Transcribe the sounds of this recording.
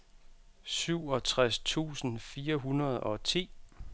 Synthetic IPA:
syʊ̰ɒ̽t͡sʰʁast͡sʰṵːsn̩fiːɐɦunɐð̞ˠɒ̽t͡sʰḭː

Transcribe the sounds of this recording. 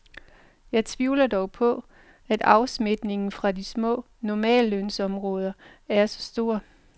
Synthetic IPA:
jɑ̈ɪt͡sʰʋiʊlɐd̥ɒʊpʰɒ̽ | æd̥ɑ̈ʊsme̝d̥ne̝ŋn̩fʁɑ̈d̥ismɔ̰̽ː | nɒmɛ̰ːløn̰sɒ̽mʁɔ̽ːð̞ˠɐ | æɐsɒ̥̽sd̥o̝ːɐ

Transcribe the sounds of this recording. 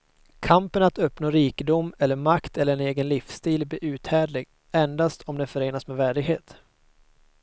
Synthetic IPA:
kʰampənat̪œpnoːɾiːkəd̪ʊmːɛlːəɾmakt̪ʰɛlːəɾɛneːɡənlɪfst̪iːlblɪːʔʉ̟ːt̪hæːɖɭɪɡ | ɛnd̪ast̪ʰɔmd̪ɛnfœɾeːnasmɛːvæːɖɪɡheːt̪

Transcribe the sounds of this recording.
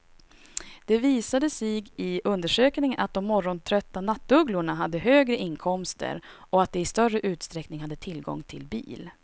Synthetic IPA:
d̪̥ɛviːsad̪əsiɡɪʔɵnd̪əʂøːknɪŋənʔat̪̚d̪ɔmːɔɾːɔnt̪ʰɾœt̪ːanat̪ːɵɡlʊɳaɦad̪ːəɦøːɡɾəʔɪnkʰɔmst̪ʰə̰ɾ | ʔɔat̪̚d̪ɛɪst̪œrːəʔʉ̟ːt̪st̪ɾɛknɪŋhad̪ːət̪ʰɪlɡɔ̰ŋt̪ʰɪlbḭːl

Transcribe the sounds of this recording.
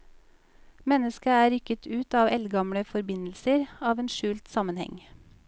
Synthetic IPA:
mɛnəskəæːɾʏkət̪ʰʉːt̪ɑːʋʔɛlɡɑmɽəfɔɾbɪnl̩səɾɑːʋeːnʃʉːlt̪sɑmənhɛ̰ŋ

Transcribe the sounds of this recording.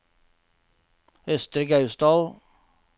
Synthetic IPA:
hœst̪ɾəɡɑʉsd̪ɑːl

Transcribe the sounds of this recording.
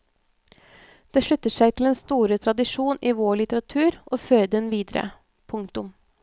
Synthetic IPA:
d̪̥eːʂɭʉt̪ːəʂæɪt̪ʰɪleːnst̪uːɾət̪ʰɾɑd̪ɪʂuːniːʋoːɭɪt̪əɾɑt̪ʰʉːɾʔoːføːɾəd̪ɛnʋiːd̪əɾə̰ | pʰʊŋt̪ʊm

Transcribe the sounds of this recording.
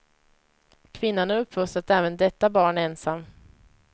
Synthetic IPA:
kʰvɪnːanæɾɵpːfɵst̪ɾat̪ɛːvənd̪ɛt̪ːabɑːɳæɾɛnsamː

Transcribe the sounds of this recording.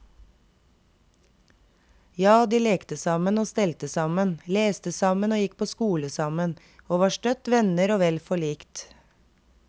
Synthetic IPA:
jɑːd̪iːleːkt̪əsɑmənoːst̪ɛlt̪əsɑmənleːst̪əsɑmənoːjɪk̚pʰoːskuːləsɑmən | oːʋɑːʃʈœt̪ʋɛnəɾoːʋɛlfɔɭiːkt̪

